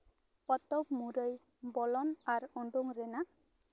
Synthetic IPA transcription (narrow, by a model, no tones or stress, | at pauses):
pɔt̪ɔbmuɾəj | bɔlɔnaɾɔɳɖuŋɾɛna